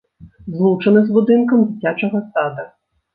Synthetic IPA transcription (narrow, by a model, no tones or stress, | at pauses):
zlˠut͡ʂɐnɐzbud̪ɨnkɐmd͡zʲit͡sʲat͡ʂɐɣɐst̪ad̪ɐ